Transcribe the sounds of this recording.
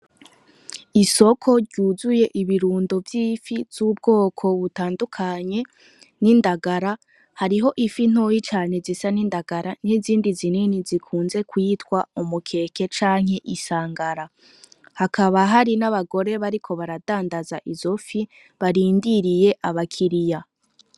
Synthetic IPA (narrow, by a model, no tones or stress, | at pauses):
iso̞kʰo̞ɾɟuːzuje̞ʔiβiɾuːndo̞vjifivz̥uːb̚ɡo̞ːkʰo̞βutaːndukʰaɲe̞ | nindaɡaɾa | haɾiɦo̞ʔifin̥hojit͡ʃaːne̞zisanindaɡaɾaniziːndizininizikʰuːnze̞kwiːtwaumukʰe̞ke̞t͡ʃaːŋ̥he̞ʔisaːŋɡaɾa | hakaβaɦaɾinaβaɡo̞ɾe̞βaɾikʰo̞βaɾadaːndazaʔizo̞fi | βaɾiːndiɾije̞ʔaβakʰiɾija